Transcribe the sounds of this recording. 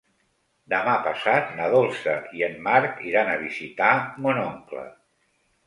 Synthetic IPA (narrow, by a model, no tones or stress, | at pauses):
d̪əmapəsat̪̚nəðolˠsəʔiənːaɾkiɾanəβ̞izit̪amunoŋklə̰